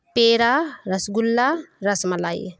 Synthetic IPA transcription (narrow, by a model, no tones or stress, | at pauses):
peːɾaɾɐsɡulːaɾɐsmɐlaj